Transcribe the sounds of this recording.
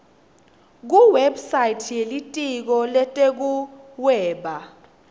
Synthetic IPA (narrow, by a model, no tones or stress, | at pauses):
k̬uwebsajtʰjelitʼik̬ɔlɛtʼek̬uwɛːɓa